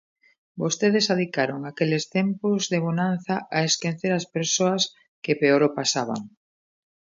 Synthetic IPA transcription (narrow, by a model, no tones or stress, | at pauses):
bost̪eð̞esaðikaɾoŋakelest̪empʊzðeβonan̟θaʔaeskenθeɾɐspeɾsoɐs | kepeoɾopasaβ̞a̰ŋ